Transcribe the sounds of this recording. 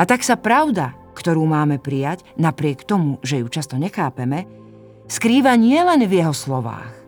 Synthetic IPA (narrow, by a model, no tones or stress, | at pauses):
at̪aksapɾaʊd̪a | kt̪ɔɾuːmaːmɛpɾijaɟnapɾɪɛkt̪ɔmuʒɛjut͡ʃast̪ɔɲɛxaːpɛmɛ | skɾiːʋaɲɪɛlɛnvjɛɦɔslɔʋa̰ːx